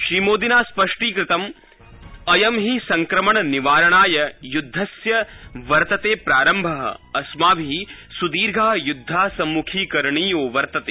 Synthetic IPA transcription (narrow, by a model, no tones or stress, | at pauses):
ʃɾiːmoːd̪inaːspɐʂʈiːkɾɪt̪ɐm | ɐjɐmɦisɐŋkɾɐmɐɳɐniʋaːɾɐɳaːjɐjud̪ʱːɐsjɐʋɐɾt̪ɐt̪eːpɾaːɾɐmbʱɐɦɐ̰ɐsmaːbʱisud̪iːɾɡʱaːjud̪ʱːaːsɐmːukʰiːkɐɾɐɳiːjoːʋɐɾt̪ɐt̪eː